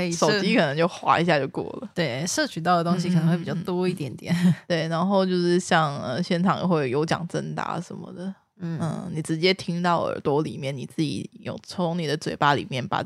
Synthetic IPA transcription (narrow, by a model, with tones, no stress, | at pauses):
ʂo˨˩ʊ˥t͡ɕi˥kʰɤ˨˩nɤ˧˥ŋt͡ɕjo˥˩ʊxwa̰˧˥i˧˥ɕja˥˧t͡ɕjo˥˧ʊkwɔ̰˥˩lə̰˩t̪we˥˩ɪ˥ʂɤ˥˩t͡ɕʰy˨˩t̪ɑ˥˩ʊdə˩t̪o˥ŋɕ̬i˧kə˨˩n˧˥xwe˥˩pi˨˩t͡ɕɑ˥˩ʊt̪wɔ˥i˥˩t̪jɛ˧˥nt̪jɛ˨˩˦nt̪we˥˩ɪna˧˥nxo˥˧ʊt͡ɕjo˥˧ʊʂɻ̩˥˧ɕjɑ˥˩ŋə˧ɕjɛ˥˩nʈ͡ʂʰɑ˨˩ŋjo̰˨˩xwe˥˩ɪjo˧˥ʊt͡ɕjɑ̰˨˩ŋʈ͡ʂə˥nt̪a̰˧˥ʂə˧˥nmə̰˧d̪ə˩˥˩ | ə̰˥˩ni˨˩ʈ͡ʂɻ̩˧˥t͡ɕjɛ˥t̪ʰi˥ŋt̪ɑ˥˩ʊə̰˞˧˥t̪wɔ˥lḭ˨˩mjɛ˥˩ni˨˩t͡sɹ̩˥˩t͡ɕḭ˨˩˥jo̰˨˩ŋt͡sʰo˧˥ŋni˨˩d̪ə˦t͡swe˨˩ɪpa˥lḭ˨˩mjɛ˥˩npa̰˨˩